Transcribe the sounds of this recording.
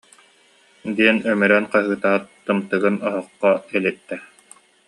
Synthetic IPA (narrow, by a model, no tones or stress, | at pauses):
d̪iɛnœmyɾœnqaɦɯːt̪aʁt̪ːɯmt̪ɯɡɯnɔɦɔqːɔɛlit̪ːɛ